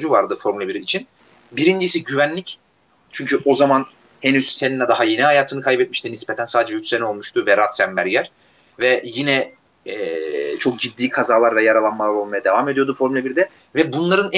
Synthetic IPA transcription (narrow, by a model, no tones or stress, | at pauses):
d͡ʒuvaɾd̪ɯfo̞ɾmulʲebiɾiit͡ʃʰin | biɾind͡ʒisiɟyvænlʲic | t͡ʃʰyɲcʰyʔo̞zaman | henyz̥seninʲːɛd̪aɦaje̞nihajaːt̪ʰɯnɯkʰajbɛt̪̚miʃt̪inispet̪ʰænsaːd̪ed͡ʒɛyt͡ʃseɛo̞lˠmuʃt̪ʰuvɛɾat̪sæmmæɾjæɾ̥ | vɛjinɛ | ɛt͡ʃʰo̞k̚d͡ʒid̪ːiːkʰazaːlˠaɾvɛjaɾalˠanmalˠaɾo̞lˠmajad̪e̞vaːme̞d̪ijo̞d̪ufo̞ɾmylʲebiɾid̪ɛ | vɛbunlˠaɾɯn